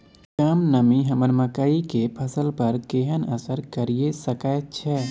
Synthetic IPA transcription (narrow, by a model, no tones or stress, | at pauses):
kamnəmiɦɐmənməkaːikepʰəsəlpɐɾkeːɦənəsəɾkɐɾiesəkaːjət̪̚t͡ʃʰɛː